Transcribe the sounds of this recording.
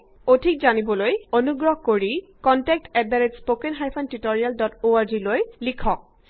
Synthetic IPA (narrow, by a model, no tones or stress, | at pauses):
odʱikzanibɔlojonuɡɹɔɦkoɹikɔntɛk̚tɛdaɹetspokenɦajpʰɔntitoɹialdɔtoaɹzilojlikʰɔk̚